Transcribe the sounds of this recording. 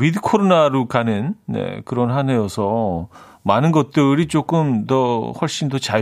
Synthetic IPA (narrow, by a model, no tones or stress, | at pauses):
widɯkʰoɾonaɾokanɯnne̞̰kɯɾʌnɦane̞jʌsʰʌ | manɯnɡʌt̚t͈ɯɾit͡ɕ͈ok͈ɯmtʌhwʌɭɕ͈indʌt͡ɕa